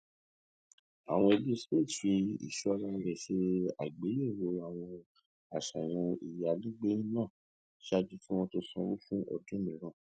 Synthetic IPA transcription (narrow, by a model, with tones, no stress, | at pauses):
a̰˨w̃ɔ̃˧e˧bi˦spi˦˨tfi˧ḭ˨ʃɔ˦˧ɾa˧ɾɛ˨ʃe˧a̰˨ɡ͡be˨˦e˦˨wo˧a˨w̃ɔ̃˧ | a˨ʃa˨j̃ɔ̃˧i˨ja˨lĩ˦ɡ͡be˦nĩ˦nãː˦˨ | ʃa˦d͡ʒi˧fĩ˦w̃ɔ̃˧to˧sɔ̃˧ɾu˦fũ˦ʔɔ̰˧˨dũ˦mĩ˨˦ɾ̃ã˨˧˨